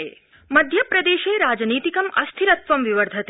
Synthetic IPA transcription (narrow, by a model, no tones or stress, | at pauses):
e | mɐd̪ʱjɐpɾɐd̪eːʃeːɾaːd͡ʒniːt̪ikɐmɐst̪ʰiɾɐt̪ʋɐmʋiʋɐɾd̪ʱɐt̪